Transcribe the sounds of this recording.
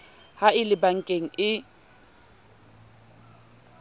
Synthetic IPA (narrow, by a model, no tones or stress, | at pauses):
haɪlɪbaŋ̩kʼeŋ̩ɪ